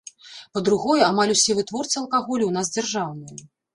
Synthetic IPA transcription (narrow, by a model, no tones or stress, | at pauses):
pɐd̪ɾuɣɔjɛamalʲusʲɛvɨt̪vɔrt̪sɨɐlˠkaɣɔlʲiwnazd͡zʲarʐawnɨjɐ